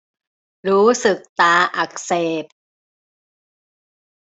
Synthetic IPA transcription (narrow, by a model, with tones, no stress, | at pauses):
ɾuː˦˥sɯ˨˩k̚t̪aː˧˩ʔa˨˩k̚seː˨˩p̚